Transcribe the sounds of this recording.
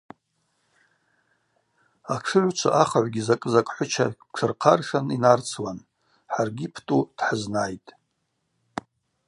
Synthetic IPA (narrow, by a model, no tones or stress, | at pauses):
aʂʰɨʕʷt͡ʃʷʰa̰ʔaχaʕʷɡʲizakʼɨzakʼħʷʊt͡ʃʰa̰ | ʈ͡ʂʰɨrqʰarʂaninart͡sʰwan | ħarɡʲipʰtʼud̥ħaznajtʼ